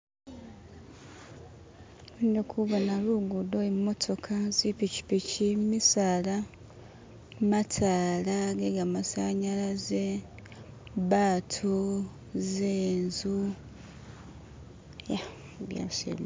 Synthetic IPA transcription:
undekʰuβonaluɡudoimːo̞tʰo̞kʰazipici̥picimmisala | matʰaːlaɡeɡamasaɲalaze | βaːtʰu | zeːnzu | ja | βja̰sḛm

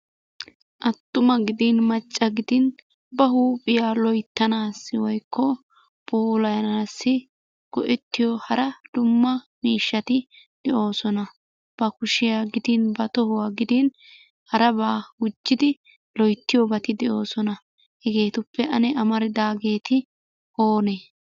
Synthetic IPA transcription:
ʔɐt̪ːʊmɐɡɪd̪ɪnmɐt͡ʃʼːɐɡɪd̪ɪn | bɐɦuːpʼːɪjaːlɔjt̪ːɐnaːsːɪwɔjkʰːɔ | bʼuːlɐjɐnaːsːɪ | ɡ̥ɔʔɛt̪ːɪjɔhɐɾɐd̪̥ʊmːɐmiːʃːɐt̪ɪ | d̪̥ɛʔo̞ːsɔnɐ | b̥ɐkʊʃɪjaːɡɪd̪ɪnbɐt̪ɔhʊwaːɡɪd̪ɪn | hɐɾɐbaːɡʊd͡ʒːɪd̪ɪ | lɔjt̪ːɪjɔbɐt̪ɪd̪ɛʔo̞ːsɔnɐ | hɛɡe̞ːt̪ʊpːɛʔɐnɛʔɐmɐɾɪd̪aːɡe̞ːt̪ɪ | oːneː

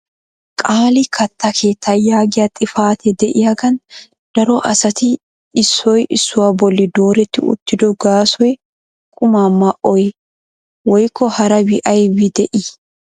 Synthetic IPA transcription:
kʼaːlɪkʰɐt̪ːɐkʰe̞ːt̪ʰːajaːɡɪjɐt̪ʼɪfaːt̪ɛd̪ɛʔɪjaɡɐn | d̪̥ɐɾɔʔɐsɐt̪ɪ | ɪsːɔjʔɪsːʊwabɔlːɪd̪o̞ːɾɛt̪ːɪʊ̰t̪ːɪd̪ɔɡaːsɔjɛ | kʼʊmaːmːɐʔɔjɛ | wɔjkʰːɔhɐɾɐbɪʔɐjbɪd̪ɛʔi

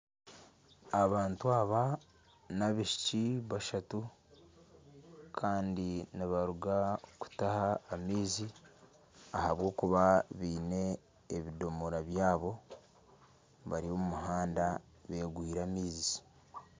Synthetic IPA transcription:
aβaːntuaβa | naβiʃi̥ciβaʃatu | kʰaːndiniβaɾuɡaku̥tahaːmiːzi | ahaβwo̞ːkuβaβiːne̞ː | βido̞moɾaβjaːβo̞ | βaɾiomumuɦaːnda | βe̞ːɡwiːɾamiːzi

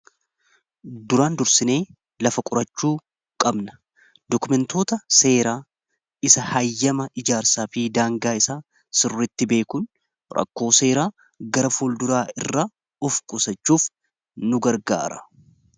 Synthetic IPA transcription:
d̪ʊɾaːnd̪ʊɾsɪne̞ː | lɐfɐkʼʊɾɐt͡ʃːuː | kʼɐbnɐ̥ | d̪ɔkʊmɛnt̪o̞ːt̪ɐse̞ːɾaː | ɪsɐhɐjːɐmɐʔɪd͡ʒaːɾsaːfid̪aːŋɡaːɪsaː | sɪrːɪt̪ːɪbe̞ːkʊn | ɾɐ̰kːo̞ːse̞ːɾaː | ɡɐɾɐfuːld̪ʊɾaːɪrːaː | ʊfkʼʊsɐt͡ʃːuːf | nʊɡɐɾɡa̰ːɾɐ̥

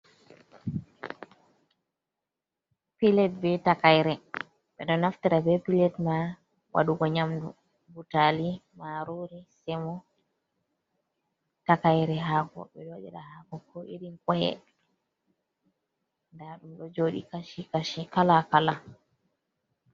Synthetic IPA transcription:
pilɛt̚bɛtakajɾɛ | ɓɛɗɔnaftiɾabɛpilɛtma | wʔa̰ɗuɡɔɲamdṵ | butalimaɾoɾisɛmɔ | takajɾɛɦakɔ̰ɓɛd͡ʒaɗɛ̰ɗahakɔkɔʔiɾiŋkɔjɛ̰ | ndaɗumɗɔd͡ʒoɗḭkaʃikaʃikalakala

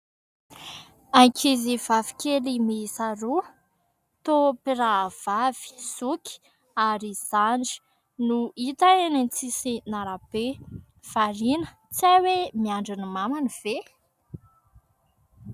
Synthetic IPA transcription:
ajkʰiziv̥avi̥kʲelimiːsaɾu | t̪opiɾav̥av̥i̥suki̥ | aɾiz̥aɳd͡ʒi̥ | nuit̪aenent͡sisinaɾab̥e | v̥aɾinə̥ | t͡sawemiaɳɖ͡ʐinimamaniv̥e

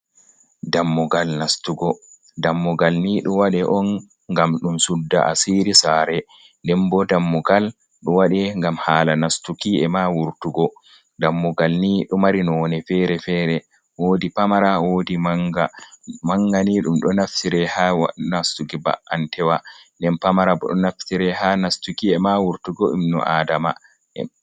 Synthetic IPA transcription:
damːuɡalnastuɡɔ | damːɔɡalniɗɔwaɗɛʔɔn | ŋɡamɗumsudːa̰ʔa̰siɾisaːɾɛ | ndɛmbɔdamːuɡal | ɗɔwaɗɛŋɡamhaːlanastukiɛmawuɾtuɡɔ | damːuɡalniɗɔmaɾinɔnɛfɛɾɛfɛːɾɛ | woːdipamaɾawoːdiɡamaŋɡaniɗumɗɔnaftiɾɛhanastukiba̰ʔʔantʰɛwandɛnpamaɾabɔɗɔnaftiɾɛhanastukiɛmawuɾtuɡɔḭmnɔ̰ʔadama | ɛ̰

